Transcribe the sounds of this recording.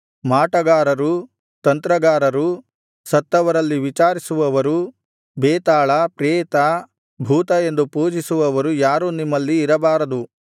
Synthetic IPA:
maːʈɐɡaːɾɐɾu | t̪ɐnt̪ɾɐɡaːɾɐɾu | sɐt̪ːɐʋɐɾɐlːiʋit͡ʃaːɾisuʋɐʋɐɾu | bɛːt̪aːɭɐpɾɛːt̪ɐ | bʱuːt̪ɐe̞nd̪upuːd͡ʒisuʋɐʋɐɾujaːɾunimːɐlːiːɾɐbaːɾɐd̪u

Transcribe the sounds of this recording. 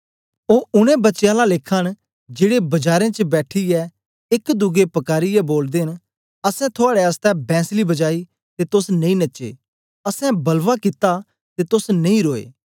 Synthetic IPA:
oːʊnẽbɐtːʃjãlalekʰːən | d͡ʒeːɽebɐd͡ʒaːɾẽt͡ʃəbɛːʈʰiɛː | ɪkd̪ʊɡepɐkaːɾijɛboːld̪eːɦɪn | əsɛ̃t̪ʰʊaːɽeəst̪ɛ̃bʱɛ̃ːslibɐd͡ʒaːiː | t̪et̪ʊsnɐ̃ĩnɐt͡ʃḛː | əsɛ̃bɐlʋakɪt̪a | t̪et̪ʊsnɐ̃ĩːɾoːḛː

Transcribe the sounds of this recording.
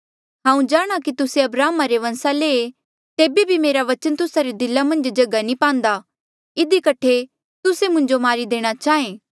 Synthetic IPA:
ɦãːũd͡ʒaːɽ̃akit̪ʊseɐbɾaːmaɾeʋɐ̃nsaleːe | t̪eːbebʱimeːɾaʋɐt͡ʃənt̪ʊsaɾed̪ɪlːamɐ̃nd͡ʒd͡ʒɐɡanĩpãːnd̪a | ɪd̪ikɐʈʰe | t̪ʊsemʊ̃ɲd͡ʒomaːɾid̪eːɽ̃at͡ʃaːẽː

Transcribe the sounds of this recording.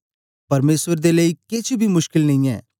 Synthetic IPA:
pɐɾmeːswəɾd̪eleiːket͡ʃʰbʱimʊʃkɪlnɐĩɛ̰ː

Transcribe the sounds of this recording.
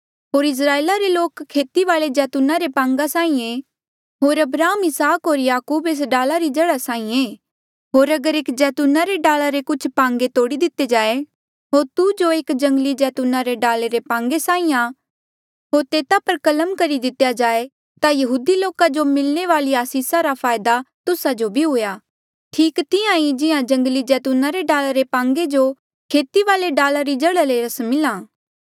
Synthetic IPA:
ɦoːɾɪs̬ɾaːeːlaɾeloːkʰːeːt̪iʋaːɭed͡ʒɛːt̪uːnaɾepãːŋɡasãːĩẽ | ɦoːɾɐbɾaːəmɪsaːkɦoːɾjaːkuːbeːs̬ɖaːlaɾid͡ʒɐɽasãːĩẽː | ɦoːɾɐɡəɾeːkd͡ʒɛːt̪uːnaɾeɖaːlaɾekʊt͡ʃʰpãːŋɡet̪oːɽid̪ɪt̪ːed͡ʒaːe | ɦoːɾt̪ud͡ʒoeːkd͡ʒɐ̃ŋɡəlid͡ʒɛːt̪uːnaɾeɖaːleɾepãːŋɡesãːĩjã | ɦoːɾt̪eːt̪apɐɾkɐləmkɐɾid̪ɪt̪jad͡ʒaːe | t̪ajɐɦuːd̪iloːkad͡ʒomɪlneʋaːliaːsiːsaɾapʰaːjd̪at̪ʊsad͡ʒobʱiɦʊjaː | ʈʰiːkt̪ɪãid͡ʒɪjãd͡ʒɐ̃ŋɡlid͡ʒɛːt̪ʊnãɾeɖaːlaɾepãːŋɡed͡ʒo | kʰeːt̪iʋaːleɖaːlaɾid͡ʒɐɽəleɾɐsmɪlãː

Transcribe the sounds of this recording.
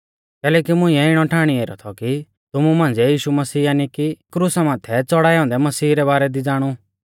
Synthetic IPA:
kɛːlɛːkimʊ̃ĩɛɪɽ̃ɔʈʰaːɽ̃ieːɾɔ̰t̪ʰɔki | t̪ʊmumãːn̆d͡zɛjiːʃumɐsiːaːnikikɾusamãːt̪ʰːɛt͡sɔɽaːjãːʊ̃nd̪ɛmɐsiːɾɛbaːɾɛd̪id͡zaːɽ̃u

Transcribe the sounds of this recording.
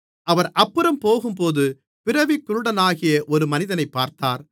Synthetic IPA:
ʔɐʋɐɾʔɐpːɯɾɐmpoːɣɯmpoːðɯ | pɪɾɐʋɪkːɯɾɯɽɐnaːɣɪjɐʔɔɾɯmɐnɪðɐnɐɪpːaːɾt̪aːɾ

